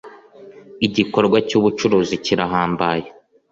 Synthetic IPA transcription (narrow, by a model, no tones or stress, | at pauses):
iɟiko̞ɾɡwacuːβut͡ʃuɾuːziciɾaɦaːmbaːje